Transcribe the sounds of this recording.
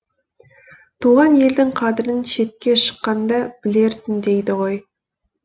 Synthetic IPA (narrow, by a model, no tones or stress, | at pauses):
t̪ʰuʁɑnje̞ld̪ɪŋqʰɑd̪ɪɾɪnʃe̞t̪̚kʲe̞ʃə̥qːɑnd̪ɑb̥ɪle̞ɾsɪŋd̪e̞jd̪ɪʁo̞j